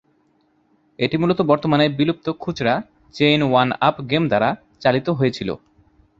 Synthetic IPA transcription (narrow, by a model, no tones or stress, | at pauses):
eʈimulot̪obɔɾt̪omaneɾbilup̚t̪okʰud͡ʑɾa | t͡ɕejnwana̰pɡemd̪aɾa | t͡ɕalit̪oɦojet͡ɕʰilo̰